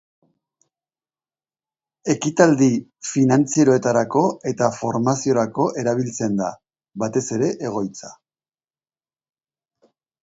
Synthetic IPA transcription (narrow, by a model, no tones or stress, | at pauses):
e̞kit̪ald̪ifinant͡siɾo̞e̞t̪aɾako̞e̞t̪afo̞ɾmasio̞ɾako̞ʔe̞ɾaβ̞ilt͡se̞nd̪a | βat̪e̞se̞ɾe̞ʔe̞ɣ̞o̞jt͡sa